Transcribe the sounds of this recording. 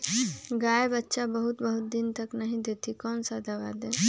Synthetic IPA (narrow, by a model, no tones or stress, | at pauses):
ɡaːjbətːʃabəɦut̪bəɦut̪̚d̪int̪əknəɦĩd̪et̪ikɔːnsad̪ʱaʋad̪e